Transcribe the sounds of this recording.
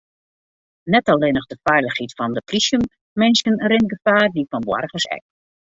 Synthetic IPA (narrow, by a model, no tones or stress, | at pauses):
nɛtaleːnɔxdəfɛjləxhitfɔndəprisjəm | mɪnsənərɪn̚ɡəfaːrdifɔnbwɔ̰rɣəsɛ̰k̚